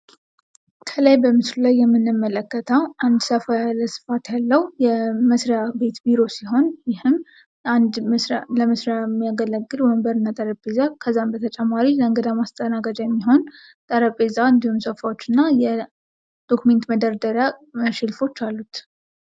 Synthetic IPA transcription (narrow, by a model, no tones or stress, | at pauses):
kʰələjbəmɨslulajːɛmːɨnːɨmːələkːət̪ʰəwʔand̪səfajalːəsɨ̥fat̪jalːəwjɛməsɾabe̞t̪biɾo̞siɦo̞njɪhɨm | and̪məsɾaləməsɾjamːijaɡələɡːɨlɛməmbəɾɨnːat̪ʼəɾəpʼe̞zakʰəzːambət̪ʰət͡ʃʼɛmːaɾiləŋɡəd̪amast̪ʼənaɡad͡ʒjɛmːiɦo̞n | t̪ʼəɾəpʼːe̞zaɨnd̪ihumsəfawot͡ʃːɨnːajɛ | d̪̥o̞kʰume̞nt̪məd̪əɾd̪əɾjaəʃɪlfo̞t͡ʃːalːut̪